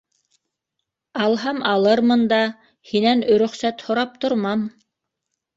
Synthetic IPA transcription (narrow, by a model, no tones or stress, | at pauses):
ɑlˠɦɑmɑlˠɤɾmɤnd̪ɑ | hinænɵ̆ɾɵ̆χsæt̪hŏɾɑp̚t̪ŏɾmɑm